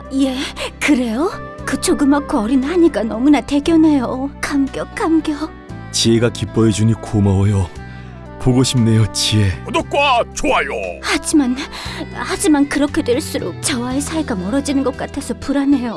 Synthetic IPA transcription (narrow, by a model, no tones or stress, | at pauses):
je̞kɯɾe̞jokɯt͡ɕʰoɡɯmakʰoʌɾinhaɲik͈anʌmunate̞ɡjʌne̞jokaŋɡjʌk͈amɡjʌ | t͡ɕieɡakip͈ʌed͡ʑuɲikʰomaʌjo | poɡoɕʰim̚ne̞jot͡ɕie̞ʌdok͈wat͡ɕoajo̰had͡ʑiman | had͡ʑimankɯɾʌkʰe̞dweɭs͈uɾo̰k̚t͡ɕʌwaesʰaeɡamʌɾʌd͡ʑinɯnɡʌk͈atʰe̞sʰʌpuɾane̞jo